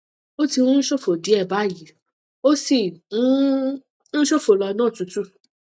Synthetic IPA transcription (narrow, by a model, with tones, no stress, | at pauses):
o˦tĩ˧ũ˦n̩˦ʃo˦fo˨di˨˦ɛ˦˨ba˨˦˨ji˨˦ | o˦si˦˨ũ˦ | n̩˦ʃo˦fo˨lɔ˧nãː˦˨tu˨˧tu˦